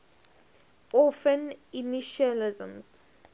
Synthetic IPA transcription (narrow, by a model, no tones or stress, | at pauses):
ɔfə̃niniʃalizə̰̃ms